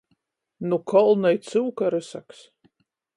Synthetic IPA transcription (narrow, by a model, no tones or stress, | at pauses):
nukʰɔlˠnajt̪sɨwkaɾɨsa̰ks